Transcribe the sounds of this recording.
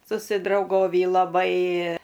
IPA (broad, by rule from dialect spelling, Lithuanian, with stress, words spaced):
sʊsʲɪdrɐʊˈɡoːʋʲiː lˠɐˈbɐɪ